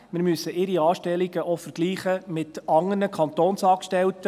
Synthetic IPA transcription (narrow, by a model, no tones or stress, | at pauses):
mɪɾmysːəʔɪɾiɑːʃtɛliɡ̥əʔɔfəɾɡ̥liːχəmɪtɑŋərnəkʰɑnt̪oːnsɑːkʃtɛlt